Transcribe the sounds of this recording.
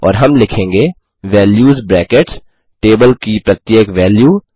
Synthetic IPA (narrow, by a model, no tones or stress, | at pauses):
ɔ̰ːɾɦɐmlɪkʰẽːŋɡeː | ʋɛːljuːzbɾɛːkeʈ | ʈeːbəlkipɾɐt̪jeːkʋɛːljuː